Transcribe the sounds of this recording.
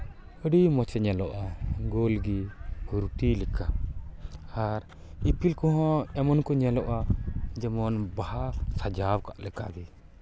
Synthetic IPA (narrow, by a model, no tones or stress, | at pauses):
əɖimɔt͡ʃɛɲɛlɔʔaɡolɡiɡuɾuʈilika | aɾ | ipilkɔɦɔ̃ɛmɔnkɔɲɛlɔʔad͡ʒɛmɔnbaɦasad͡ʒawka̰ʔlɛka̰bi